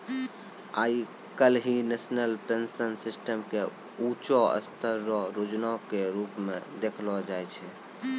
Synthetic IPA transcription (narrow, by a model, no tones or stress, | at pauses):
a̰ːi | kəlɦinesnəlpensənsisʈəmke | ut͡ʃɔə̰st̪əɾːɔɾod͡ʒnakeɾupmẽd̪ekʰlɔd͡ʒajt͡ʃʰɛ